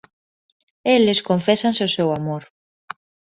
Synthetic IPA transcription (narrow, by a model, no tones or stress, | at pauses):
elɪskoɱfesansʊsewamoɾ